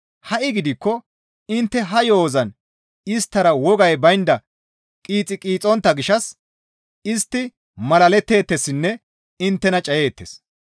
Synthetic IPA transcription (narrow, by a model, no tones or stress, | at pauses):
hɐʔɪɡɪd̪ɪkːɔ | ɪnt̪ːɛɦɐjo̞ːzɐn | ɪst̪ːɐɾɐwɔɡɐjbɐjnd̪ɐ | kʼiːt͡sʼːɪkʼiːt͡sʼɔnt̪ːɐɡɪʃɐs | ɪst̪ːɪ | mɐlɐlɛt̪ːe̞ːt̪ːɛsɪnːɛ | ɪnt̪ːɛnɐt͡ʃʼɐje̞ːt̪ːes